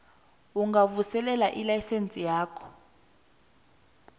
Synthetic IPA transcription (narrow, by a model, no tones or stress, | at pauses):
uŋɡavusɛlɛlaʔilajsent͡sʼijaːkʰɔ̥